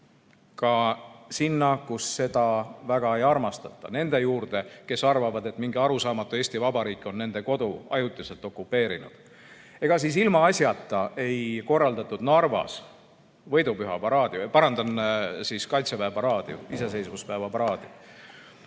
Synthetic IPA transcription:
kɑsinːɑkusːe̞d̪̥ɑvæɡ̥ɑe̞jɑrmɑst̪ɑt̪ˑːɑ̰ne̞nd̪̥e̞juːrd̪̥e̞ke̞sɑrvɑvɑd̪e̞t̪ːˑmiŋɡiɑɾusɑːmɑt̪ːˑue̞ːsʲt̪ivɑbɑɾiːkːˑo̞nːe̞nd̪e̞ko̞d̪uɑ̰jut̪ːˑise̞lt̪ːˑo̞kˑːupːe̞ːɾinṵd̪̥ | e̞ɡ̥ɑsis̬ilmɑɑsʲjɑt̪ˑːɑe̞jko̞rːɑld̪ɑt̪ːˑud̪nɑrvɑ̰s | vɤ̞jd̪upyɦɑpɑɾɑːd̪iupɑɾɑnd̪ɑnsiskɑjt̪sepæevɑɾɑːd̪iṵise̞s̬e̞jsvuspæevɑpɑɾɑːd̪̥i

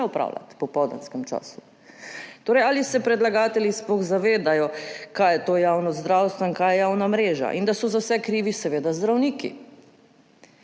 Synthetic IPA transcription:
ɛɔpɾa̰ːwla̰t̪pɔpɔd̪a̰nskɛmt͡ʃa̰ːsu̥ | t̪oːɾɛjalisɛpɾɛd̪laɡaːt̪ɛljisplɔɣzaʋeːd̪ajɔkajɛt̪oːjawnɔzd̪ɾawst̪ʋɔinkaːjɛjawnamɾeːʒa̰ʔind̪asɔzawsɛkɾiːʋisɛʋeːd̪azd̪ɾawniːkḭ

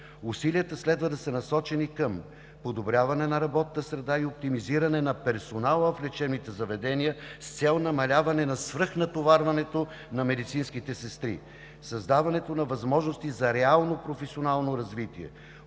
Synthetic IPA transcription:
usiliət̪əslɛd̪vəd̪ɐsənɐsɔt͡ʃɛnikəm | pod̪obɾʲavɐnɛnɐɾɐbɔt̪ət̪əsɾɛd̪aiop̚t̪imiziɾɐnɛnɐpɛɾsonalˠəflɛt͡ʃɛnmit̪ɛzɐvɛd̪ɛnijəst̪sɛlˠnɐmɐlʲavɐnɛnɐsvɾɤxnɐt̪ovaɾvɐnɛt̪o | nɐmɛd̪it̪sinskit̪ɛsɛst̪ɾḭ | sɐzd̪avɐnɛt̪onɐvɐzmɔʒnost̪izɐɾɛalˠnopɾofɛsʲionalˠnoɾɐzvit̪iɛ̰

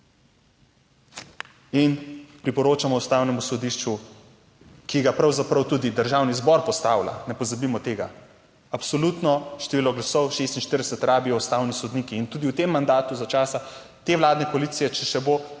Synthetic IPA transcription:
inpɾipɔɾoːt͡ʃamɔust̪awnɛmusɔd̪iʃt͡ʃu | kiɡapɾawzapɾɐwt̪uːd̪id̪əɾʒawnizbɔɾpɔst̪aːwla̰nɛpɔzabimɔt̪eːɡa | apsɔlut̪nɔʃt̪ɛʋiːlɔɡlasɔwʃest̪inʃt̪iɾd̪ɛsɛt̪ɾaːbiɔust̪aːwnisɔd̪niːkiːnt̪uːd̪iwt̪emːand̪aːt̪uzat͡ʃaːsa | t̪eːʋlaːd̪nɛkɔaliːt̪sijɛt͡ʃɛʃɛbo

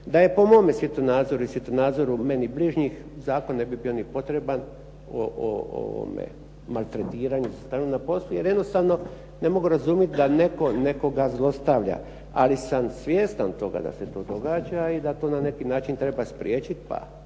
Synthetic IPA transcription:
d̪aje̞po̞mo̞ːmesʋjit̪omnaːd̪zo̞ɾuisʋit̪omnaːd̪zo̞ɾume̞nibliʒɲixzaːko̞nne̞bibio̞nipo̞t̪ɾe̞ban | o̰o̰o̰ʋo̰mḛ | malt̪ɾe̞t̪iːɾaɲusast̪aːnunapo̞slˠuje̞ɾjed̪no̞st̪aʋno̞ | ne̞mo̞ɡuɾazumjet̪d̪ane̞ko̞ne̞ko̞ɡazlˠo̞st̪aʋʎa̰ | a̰lisamsʋjeːst̪ant̪o̞ɡa̰d̪a̰set̪o̞ːd̪o̞ɡaːd͡ʒaid̪at̪o̞ːnane̞kinaːt͡ʃint̪ɾe̞baspɾʲjeːt͡ɕit̪pa̰

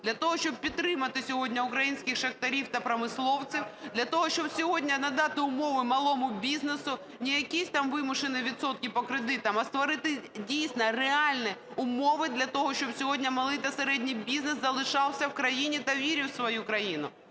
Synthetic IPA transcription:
d̪lʲɐt̪ɔɦɔʃt͡ʃɔb̚pʲit̪ːɾɪmɐt̪ɪsʲɔɦɔdʲnʲɐʊkɾɐjinʲsʲkʲɪxʃɐxt̪ɐɾʲiwt̪ɐpɾɐmɪslˠɔwt͡sʲiwd̪lʲɐt̪ɔɦɔʃt͡ʃɔbsʲɔɦodʲnʲɐnɐd̪ɑt̪ɪʊmɔʋɪmɐlˠɔmʊbʲiznesʊ | nʲijɐkʲisʲt̪ɑmʋɪmʊʃɪnɪʋʲit̪sɔt̪̚kʲɪpɔkɾɪd̪ɪt̪ɐmɐst̪ʋɔɾɪt̪ɪdʲijsʲnɐreɑlʲnɛ | ʊmɔʋɪd̪lʲɐt̪ɔɦɔʃt͡ʃɔbsʲɔɦɔdʲnʲɐmɐlˠɪjt̪ɐseɾɛdʲnʲijbʲiznɪszɐlˠɪʃɑwˠsʲɐwkɾɐjinʲit̪ɐʋʲiɾʲɪwsʋɔjukɾɐjinʊ

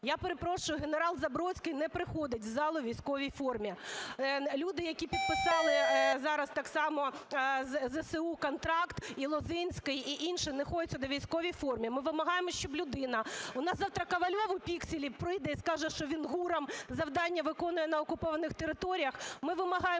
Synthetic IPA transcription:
japeɾepɾɔʃʊjʊɦeneɾɑlˠzɐbɾɔt͡sʲkɪjnɛpɾɪxɔd̪ɪtʲzɑlˠʊʋʲijsʲkɔʋʲijfɔrmʲi | lʲud̪ɪjɐkʲipʲid̪̚pɪsɑlˠɪzɑɾɐst̪ɑksɑmɔzzɛseukɔnt̪ɾɑkt̪ilˠɔzɪnʲsʲkɪjiʔinʃɪnɛxɔjʊtt͡sʲːɐd̪ɔʋʲijsʲkɔʋʲijfɔrmʲimɪʋɪmɐɦɑjemɔʃt͡ʃɔblʲʊd̪ɪnɐʊnɑsɑwt̪ɾɐkɐʋɐlʲɔʋʊpʲiksʲɪlʲipɾɪjd̪ɛiskɑʒɛʃt͡ʃɔʋʲinɦuɾɐmzɐwd̪ɑnʲːɐʋɪkɔnʊjɛnɐɔkʊpɔʋɐnɪxt̪eɾɪt̪ɔɾʲijɐxmɪʋɪmɐɦɑje

